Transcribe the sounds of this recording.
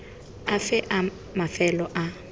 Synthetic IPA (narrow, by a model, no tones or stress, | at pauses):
afɛʔa | mafɛlɔʔa